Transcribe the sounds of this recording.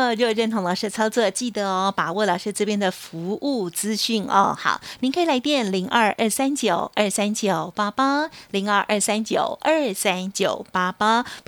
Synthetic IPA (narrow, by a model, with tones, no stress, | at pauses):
t͡ɕjo˥˧˩ɻə˥˩nt̪ʰo˧˥ŋlə˨˩ʂɻ̩˥˩t͡sʰɑ˥ʊt͡sɔ˥˧t͡ɕi˥˩d̪ə˩˦ɔ˧pa˨˩wɔ˥˩lɑ˨˩ʂɻ̩˥˧ʈ͡ʂɤ˥˧pjɛ˥˩nd̪ə˨fu˧˥ʔu˥˩t͡sɹ̩˥ɕy˥˩nɔ̰˧xɑ̰˨˩ʊni˧ŋkʰi˨la˧˥ɪt̪jɛ˥˩nli˧˥ŋʔə˥˧ʔə˥˩sa˥nt͡ɕjo˨˩ʊə˞˥˩sa˥nt͡ɕjo˨˩ʊpa˥pa˥li˧˥ŋə˞˥˧ʔə˞˥˩sa˥nt͡ɕjo˨˩ʊʔə˥˩sa˥nt͡ɕjo˨˩ʊpa˥pa˥